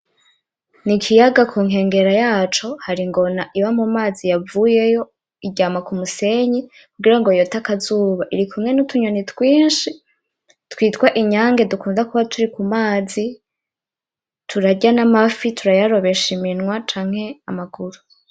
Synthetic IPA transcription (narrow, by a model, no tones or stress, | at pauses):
nikʰijaɡakʰuːŋ̥ɦe̞ːŋɡe̞ɾajaːt͡ʃo̞haɾiŋɡo̞naʔiβamumaːzijavuːje̞jo̞ | iɟaːmakumuse̞ɲi | kuɡiɾaŋɡo̞jotakazuːβaʔiɾikʰumŋe̞nutʰuɲonitwiːnʃi | twiːtkwaʔiɲaːŋɡe̞dukuːndakuβatʰuɾikumaːzi | tʰuɾaɟanamafitʰuɾajaɾo̞βe̞ʃiminŋwat͡ʃaːŋ̥he̞amaɡuɾu